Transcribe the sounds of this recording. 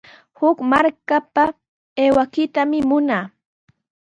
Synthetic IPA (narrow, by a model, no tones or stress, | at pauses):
hʊkmaɾkapa | eːwakɪt̪amɪmʊnaː